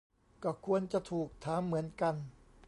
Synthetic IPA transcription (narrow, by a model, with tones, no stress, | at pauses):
kɔː˥˩kʰu˧ənt͡ɕa˨˩t̪ʰuː˨˩k̚t̪ʰaː˩˦mːɯ˩˦ənka˧n